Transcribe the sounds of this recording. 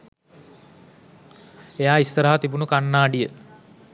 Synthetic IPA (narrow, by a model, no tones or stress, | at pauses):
ejaːist̪əɾaɦat̪ibunukanːaːɖijə